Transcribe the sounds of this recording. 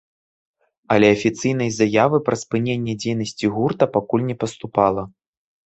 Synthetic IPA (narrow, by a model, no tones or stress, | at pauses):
ɐlʲɛɐfʲit̪sɨjn̪ɐjzajavɨpɾɐspɨnʲenʲːɛd͡zʲejn̪ɐsʲt͡sʲiɣurt̪ɐpakulʲnʲɛpɐst̪upalˠɐ